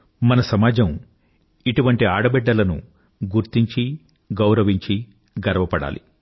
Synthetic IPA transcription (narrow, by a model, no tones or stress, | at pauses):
mɐnɐsɐmaːd͡ʒɐm | iʈuʋɐɳʈiaːɽɐbɛɖːɐlɐnṵ | ɡuɾt̪iɲt͡ʃi | ɡɐwɾɐʋiɲt͡ʃi | ɡɐɾɐʋɐpɐɽa̰ːlḭ